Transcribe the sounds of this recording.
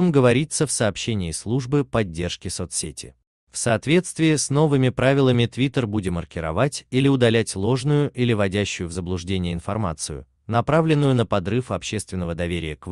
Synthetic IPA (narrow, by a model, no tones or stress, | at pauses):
əmɡəvɐɾʲit̪səfsɐːpɕːenʲɪːslˠuʐbɨpɐdʲːe̞rʂkʲɪsot̪ssʲetʲʰɪ̰ | fsɐːt̪vʲe̞t̪st̪vʲɪːsno̞vɨmʲɪpɾavʲɪlˠəmʲɪt̪vʲit̪ərbudʲɪmərkʲɪɾɐ̰vatʲilʲɪʊd̪ɐlʲætʲlˠo̞ʐnʊjʊʔilʲɪvɐdʲæɕːʊjʊvzəblˠʊʐdʲenʲɪjəɪnfɐrma̰t̪sɨjʊ̰ | nɐpɾavlʲɪnːʊjʊnəpɐd̪rɨfɐpɕːe̞st̪vʲɪnːəvəd̪ɐvʲeɾʲɪ̰jək